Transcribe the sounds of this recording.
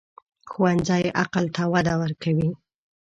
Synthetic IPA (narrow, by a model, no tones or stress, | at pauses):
xuwanzajʔaqalt̪awad̪awəɾkʰawi